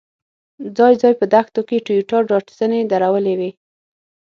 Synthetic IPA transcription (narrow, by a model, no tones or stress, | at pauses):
d͡zɑjd͡zɑjpəd̪axt̪okeʈijuʈɑɖɑʈzəned̪aɾawəlewe